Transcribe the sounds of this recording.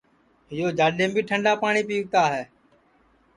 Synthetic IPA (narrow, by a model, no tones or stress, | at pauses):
ɦɪjoːd͡ʒaːɗẽːmbiːʈʰəɳɖaːpaːɳiːpiːʋ̚t̪aːɦɛː